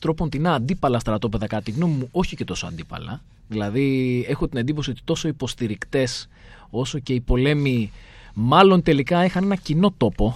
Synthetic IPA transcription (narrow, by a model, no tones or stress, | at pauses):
t̪ɾo̞pont̪inɐːnd̪ipɐlɐst̪ɾɐt̪o̞pe̞ðɐkɐt̪iɣno̞mimuo̞çice̞t̪o̞soɐ̰nd̪ipɐ̰lɐ̰ | ðilɐðie̞xot̪inend̪ip̬o̞sio̞t̪i̥t̪o̞so̞ipo̞st̪iɾikt̪e̞s | o̞so̞ce̞ipo̞le̞mimɐlo̞nt̪e̞likɐixɐne̞nɐcino̞t̪o̞po̞